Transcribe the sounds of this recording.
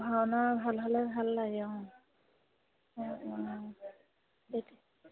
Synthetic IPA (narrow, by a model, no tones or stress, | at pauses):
bʱawnabʱalɦalɛbʱalːaɡɔ | beti